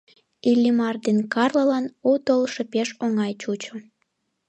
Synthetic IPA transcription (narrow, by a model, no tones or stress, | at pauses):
ilʲːimɑrd̪enkɑrləlɑnut̪olʃepeʃoŋɑjt͡ɕut͡ɕo